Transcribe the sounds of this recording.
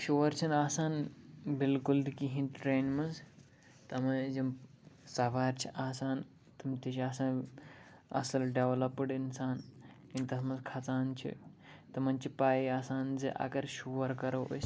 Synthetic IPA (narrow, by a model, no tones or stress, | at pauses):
ʃoːɾt͡ʃʰinaːsaːnbilkuld̪ikiɦĩnʈɾeːnmɐnz | t̪ɐmɐd͡ʒim | sɐʋaːɾt͡ʃʰiʔaːsaːn | t̪ɐmt̪ʲit͡ʃʰiaːsaːn | ɐ̰sɐlɖeʋlɐpɨɖinsaːnkint̪ɐsmɐzkʰɐt͡saːnt͡ʃʰḭ | t̪ɐmɐnt͡ʃʰipaːiaːsaːnzɨʔɐ̰ɡɐɾʃuːʋɐɾkɐɾɐo̰s